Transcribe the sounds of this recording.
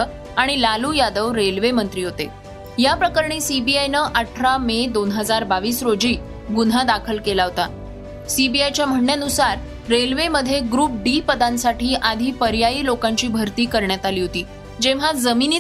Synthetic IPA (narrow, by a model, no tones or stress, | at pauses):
ə | aɽ̃ilalujad̪əʋɾelʋemənt̪ɾiːɦot̪e | japɾəkəɾɳ̃iːsibiajnəːʔaʈʰɾamed̪onɦəd͡zaɾbaʋiːsɾod͡ʑiː | ɡunɦad̪akʰəlkelaɦot̪a | sibiajt͡ɕjam̤əɽɳjanusaɾː | elʋeməd̪ʱːjeɡɾuːp̚ɖipəd̪ãnsaʈʰiːʔad̪ʱiːpəɾjaiːlokãɲt͡ɕiːbʱəɾt̪iːkəɾɳjat̪aliːɦot̪iː | d͡ʑeʋ̤ad͡zəmini